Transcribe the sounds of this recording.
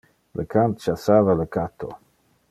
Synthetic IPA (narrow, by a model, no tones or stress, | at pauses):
lə̰kʰant̪t͡ʃasaːvaləkat̪ʰo̰